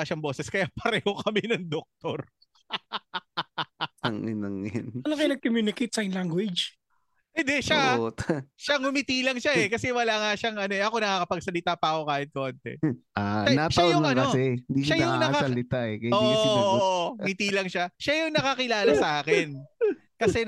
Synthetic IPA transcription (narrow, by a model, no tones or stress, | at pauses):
ʃɐŋboːsɛskɐjaːpɐɾɛːho̞kʰɐmɛnɐŋd̪ok̚t̪oɾ | ɐŋɐnɐŋjanɐnɐkɐjnɐɡ̚komjuːnɪkejt̪̚sɐɪnlaŋɡwɪd͡ʒ | hɪnd̪ɛʃaot̪ʃaŋʊmɪt̪iːlɐŋʃaɛkɐsɛwɐlaŋaʃaŋʔɐno̞ɛʔɐko̞nɐkaːkɐpɐɡ̚sɐlɪt̪apɐʔɐko̞kaːhɪt̪̚kont̪ɛ̰ʔaɐnaʃɐajʊnɐɐnɐosɛɪnd̪iːʃajʊŋanɐkasɐlɪt̪aʔɛkɐjoːʔ | mɪt̪iːlɐŋʃaʃajʊŋnɐkɐkɪlaːlɐsɐʔaːkɪn | kɐsɛ